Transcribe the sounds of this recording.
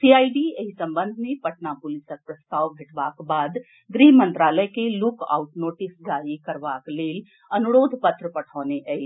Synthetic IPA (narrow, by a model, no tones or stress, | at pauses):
siaiɖieɦisə̃mbə̃nd̪ʱmepəʈnapulisək̚pɾəst̪aːwbʱeʈbakbad̪ | d̪ɾiɦmə̃nt̪ɾaləjkeluka̰ʊʈnoʈisɡaɾikəɾbakleːl | ənuɾoːd̪ʱpət̪ɾəpəʈʰaːneʔəɦi